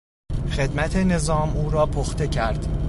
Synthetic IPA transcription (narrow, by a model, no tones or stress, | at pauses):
xe̞d̪mæt̪ʰe̞ne̞zɒːmuːɾɒːpʰoxt̪ʰe̞cʰæɾd̪̥